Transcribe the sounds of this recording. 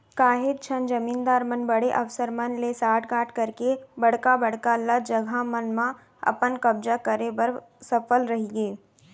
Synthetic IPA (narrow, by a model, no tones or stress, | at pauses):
kaːɦɪd̪̚t͡ʃʰənd͡ʒɐmiːnd̪aːɾmənbɐɽeʔɐʋsəɾmənlesaːʈkaːʈkɐɾkebɐɽkabəɽkalɐd͡ʒəɡʱamənmã | ɐ̰pənkɐb̚d͡ʒakəɾebɐɾ | sɐfəlɾɐɦiɡeː